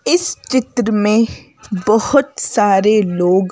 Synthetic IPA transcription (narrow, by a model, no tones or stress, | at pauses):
ɪst͡ʃɪt̪ɾəmẽ | bəhʊt̪saːɾeloːɡ